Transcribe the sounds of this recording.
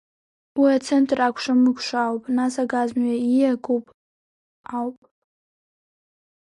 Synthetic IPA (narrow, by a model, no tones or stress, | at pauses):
wiat͡sʰentʼrakʷʰʂamɨkʷʰʼʂawpʼnasaɡazmɥaijaɡʷupʼ | awpʼ